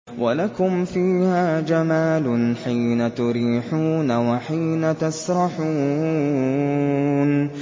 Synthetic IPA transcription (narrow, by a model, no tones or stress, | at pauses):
wʔalakʊmfiːhaːd͡ʒamaːlʊnħiːnat̪ʊɾiːħuːnawaħiːnat̪asɾˤɑħuː | n